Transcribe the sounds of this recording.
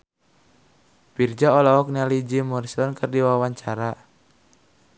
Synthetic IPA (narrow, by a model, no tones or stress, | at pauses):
pird͡ʒaɔlaɔk̚nialid͡ʒimursɔnkɨrdiwawaɲt͡ʃaɾa